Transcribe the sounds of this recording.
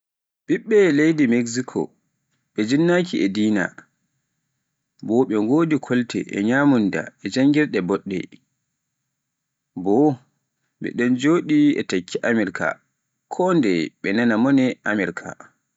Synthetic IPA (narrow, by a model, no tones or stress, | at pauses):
ɓiɓːɛlejdimeksikʰɔ̰ | ɓɛd͡ʒinːakiɛdiːna̰ | bɔɓɛŋɡoːdikʰɔltɛ̰ʔɛ̰ɲaːmunda̰ɛd͡ʒaŋɡiɾɗɛbɔɗːɛ̰ | bɔ | ɓɛ̰ɗɔnd͡ʒoːɗiɛ̰takʰːiʔamiɾka̰ | kʰɔndɛɓɛnanamɔnɛʔamɛɾkʰa̰